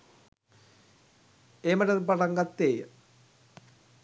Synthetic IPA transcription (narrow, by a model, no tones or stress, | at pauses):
eːmɐɾɐðpɐɽɐŋɡɐt̪ːeː